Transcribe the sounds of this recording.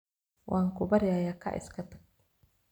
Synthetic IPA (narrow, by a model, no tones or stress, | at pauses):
wʔaːŋkʰʊbɐɾɪjaːjaːkʰɐ̰ʔɪ̰skʰɐt̪ʰɐ̥ɡ̚